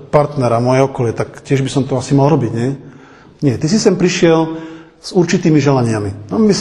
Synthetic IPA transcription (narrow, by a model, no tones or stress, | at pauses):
paɾt̪nɛɾamʊɔjɛɔkɔlɪat̪akcɪɛʒbisɔmt̪ɔasimalɾɔbiɟɲɛ | ɲɪɛt̪is̬isɛmpɾiʃɪɛl | z̥uɾt͡ʃit̪iːmiʒɛlaɲɪaminambis